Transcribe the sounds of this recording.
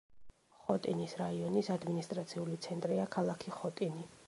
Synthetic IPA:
χɔt̪ʼinisɾaiɔnisad̪minist̪ʼɾat̪sʰiulit̪sʰɛnt̪ʼɾiakʰalˠakʰiχɔt̪ʼini

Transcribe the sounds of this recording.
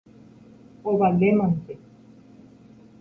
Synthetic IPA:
oβalemant̪e

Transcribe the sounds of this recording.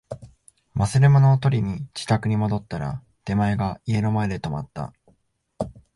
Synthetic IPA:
masɨɾemonoːt̪o̞ɾʲiɲ̟it͡ɕi̥t̪akɯ̟ɲ̟imo̞d̪o̞t̪ːaɾa̰ | d̪̥e̞maeɡaie̞ɾomaed̪e̞t̪o̞mat̪ːa̰

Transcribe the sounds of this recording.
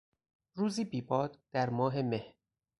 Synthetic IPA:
ɾuːziːbiːbɒːd̪̥d̪̥æɾmɒːɦe̞mehɾ

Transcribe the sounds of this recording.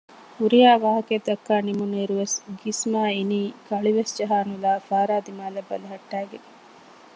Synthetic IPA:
uɾijaːʋaːɦɐked̪ɐkːaːnimuneɾuʋesɡismaːiniːkɐɭiʋesd͡ʒɐɦaːnulaːfaːɾaːd̪imaːlɐbːɐ̰lɐɦɐʈːæːɡene

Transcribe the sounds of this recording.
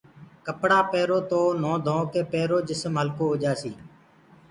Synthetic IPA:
kəpɽaːpeːɾoːt̪oːnõːd̪ʱõːkeːpeːɾoːd͡ʒɪsmɦəlkoːɦoːd͡ʒaːsiː

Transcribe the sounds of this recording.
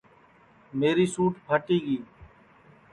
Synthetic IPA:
meːɾiːsuːʈpəʈiːɡiː

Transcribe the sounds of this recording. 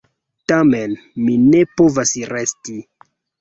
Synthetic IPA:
tame̞n | mine̞po̞vasɾesti

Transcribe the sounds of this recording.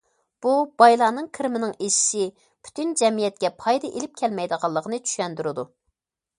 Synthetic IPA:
b̥ub̥ɑjlˠɑːnɨŋkʰɨɾmɪnɪŋeʃi̥ʃɪ | pʰy̥t̪ʰynd͡ʒɛmijɛt̪̚kʲɛpʰɑjd̪ɑʔelɪp̚kʲʰɛlmɛjd̪əʁɑlˠːəqʰənɨt͡ʃʰy̥ʃɛnd̪yɾɨd̪u

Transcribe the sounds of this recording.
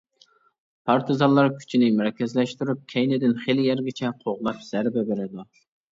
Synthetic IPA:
pʰɑɾt̪ʰɨzɑnlːˠɑɾkʲʰy̥t͡ʃʰinɪmɾɛkʲʰɛzlɛʃt̪yɾyp̚kʲʰɛjnɪd̪ɪnχelɪjæɾɡʲɛt͡ʃʰɛqʰoʁlˠɑpz̥æɾbɛbeɾɪd̪u

